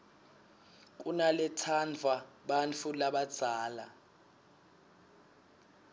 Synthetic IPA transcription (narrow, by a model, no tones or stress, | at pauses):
k̬ʼunalɛtʰand͡vʱaɓant͡fʰulaɓad̥d͡z̥ʱaːla